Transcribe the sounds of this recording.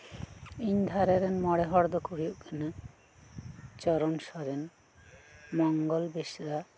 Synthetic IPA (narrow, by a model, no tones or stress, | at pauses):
iɲd̪ʱaɾeɾenmɔɽeɦɔɾd̪ɔkuɽioʔkena | t͡ʃɔɾɔnʃɔɾen | mɔŋɡɔlbeʃɾa